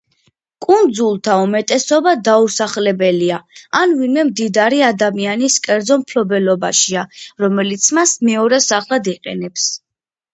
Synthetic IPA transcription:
kʼund̪zulˠt̪ʰaumɛt̪ʼɛsɔbad̪ausaχlɛbɛliaanvinmɛmd̪id̪aɾiad̪amianiskʼɛɾd̪zɔmpʰlɔbɛlɔbaʃiaɾɔmɛlit̪sʰmasmɛɔɾɛsaχlˠad̪iqʼɛ̰nɛps

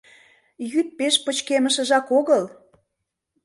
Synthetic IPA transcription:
jyt̪̚peʃpət͡ɕkeməʃə̆ʒɑkoɣəl

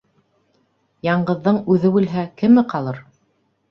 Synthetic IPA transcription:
jɑɴɢɤ̆ðːɤɴʉðɘbʉlɦækɘ̆mɘqɑlˠɤɾ

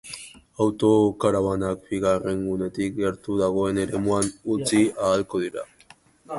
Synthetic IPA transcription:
awt̪o̞kaɾawanak̚biɣare̞ŋɡune̞t̪ik̚ɡeɾt̪uðaɣo̞e̞ne̞ɾe̞muanut͡siaːlko̞ðiɾa̰

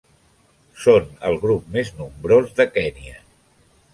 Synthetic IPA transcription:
sonə̰lˠɣɾup̚meznumbɾozðəkɛniə

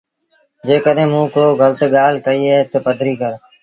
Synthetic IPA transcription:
d͡ʒeːkəɗɦẽːmũːkoːɣəlt̪eːɠaːlkəiːeːt̪əpəd̪ʱɾiːkəɾ

